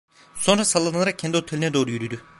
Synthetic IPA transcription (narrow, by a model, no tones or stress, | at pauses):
so̞nɾasalˠːananaɾak̚cʰɛnd̪iho̞t̪ʰelʲinɛd̪o̞ːɾujyɾyd̪y